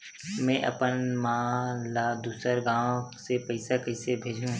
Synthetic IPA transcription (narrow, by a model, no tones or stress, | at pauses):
mɛ̃ːʔɐ̰pənmãːlaːd̪uːsəɾɡãːsepɐɪsakɐɪsebʱeːd͡ʒʱũː